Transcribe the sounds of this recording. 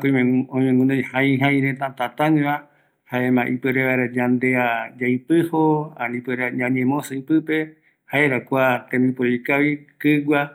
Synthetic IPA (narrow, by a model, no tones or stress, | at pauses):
koimõɲẽŋɡũnẽjhajɦaj̃ɾẽt̪ãt̪at̪ãɲẽβa | haemãʔipɨɾeβaeɾad͡ʒãnd̪ead͡ʒajpɨhoã̰nĩpeɾaɲãɲẽmõsɨɨpɨpe | haeɾakʷat̪ẽmĩpoɾikaβikɨɡʷa